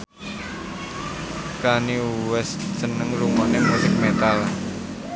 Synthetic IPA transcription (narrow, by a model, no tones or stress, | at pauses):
kaniwɛst̪sənəŋluŋɔʔnemusɪk̚met̪al